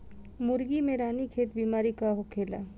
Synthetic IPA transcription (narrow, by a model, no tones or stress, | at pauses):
mʊɾɡimẽɾaːnikʰeːt̪biːmaːɾikaɦokʰeːlaː